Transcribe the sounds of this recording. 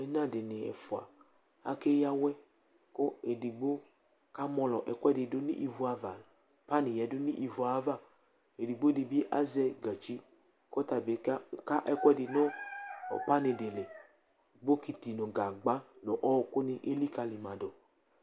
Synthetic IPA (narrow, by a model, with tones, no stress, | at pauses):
ɛ˨nã˦˨dɪ˨nɪ˨ɛ̰˨fʊ˨a̰˨ | a̰˦ke˦ja˦wɛ˦ | kʊ˦e˨di˨ɡ͡bo˦ | ka˦mɔ˧lɔ˨ʔɛ˨kʷɛ˦dɪ˨dʊ˦nḭ˦ʔi˨vu˦a˨va˨ | pa˦nɪ˨jɛ˨dʊ˦nḭ˦ʔi˨vu˨a˨˦va˦˨ | e˨di˨ɡ͡bo˦dɪ˨bi˦ʔa˦zɛ˦ɡa˨t͡ʃi˦ | kɔ˦ta˨be˨˦kka˦ʔɛ˦kʷɛ˦dɪ˨nɔ̰˦˨ | pa˦nɪ˨dɪ˨le˨ | ɡ͡bo˦ki˨ti˨nʊ̃˨ɡa˨ɡ͡ba˦nʊ̃˨ʔɔ˦˨kʊ˦nɪ˦ʔe˦li˦ka˨˧li˨mã˨dɔ˨